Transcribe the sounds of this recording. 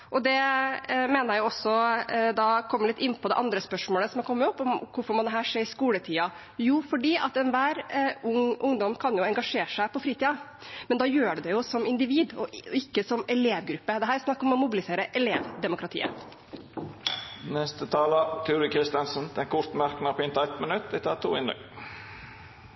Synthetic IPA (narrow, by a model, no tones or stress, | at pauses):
ʔɔd̪ɛ | meːnəɾjæɪjʊɔsɔd̪ɑkʰɔmːəɭlɪt̪ːɪnːpʰɔd̪ɛ̰ʔɑnd̪ɾəspœʂmoːləsɔmækʰɔmːəɾɔpːɔmkʰʊɾfɔɾmɔnd̪ɛɦæːʂeːɾɪskuːlət̪ʰiːɑ | juːfɔɖiːʔɑt̪ɛnʋæːɾʊŋʊŋd̪ɔmkʰɑnjʊɛŋɡɑʂeːʂæɪpɔfɾiːt̪iːɑ | mɛnd̪ɑːjøːɖɛd̪ɛjʊsɔmɪnd̪ɪʋiːd̪ɔɪkːəsɔmɛleːʋɡɾʉpːəd̪ɛɦæːɾsnɑkːɔmɔmʊbɪlɪseːɾəʔɛleːʋd̪ɛmʊkɾɑt̪ʰḭːə̰ | nɛst̪ət̪ʰɑːlət̪ʰʉːɾɪkʰɾɪst̪ɑnsənd̪ɛnkʰʊɾt̪mæɾknɑɾpɪnt̪ɑɛt̪mənʉt̪ːʋɪt̪ʰɑ̰ːt̪ʰṵːɪ̰nɛ̰ŋ